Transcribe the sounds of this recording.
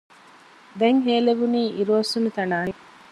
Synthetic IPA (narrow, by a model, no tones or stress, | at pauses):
d̪eŋɦeːleʋuniːʔiɾuɐsunut̪ɐnaːi